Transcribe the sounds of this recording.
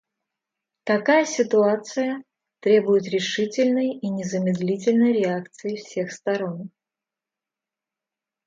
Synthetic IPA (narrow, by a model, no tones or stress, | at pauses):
t̪ɐkajəsʲɪt̪ʊat̪sɨjə | t̪ɾʲe̞bʊjɪt̪ɾʲɪʂɨtʲɪlʲnəjinʲɪzəmʲɪd̪lʲitʲɪlʲnəjɾʲɪak̚t̪sɨjɪfsʲexst̪ɐɾo̞n